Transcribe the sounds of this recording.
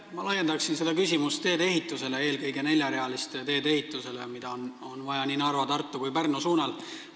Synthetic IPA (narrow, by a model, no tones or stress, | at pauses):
mɑlɑjːend̪ɑksinse̞d̪̥ɑkysʲimust̪ːe̞ːd̪e̞ɦit̪ːˑuse̞le̞eːlkɤjɡ̥e̞ne̞lʲjɑɾe̞ɑlist̪t̪e̞ːd̪e̞ɦit̪ːˑuse̞le̞̰mid̪̥ɑon | onvɑjɑninɑrvɑt̪ɑrt̪ˑːukujpærnosuːnɑl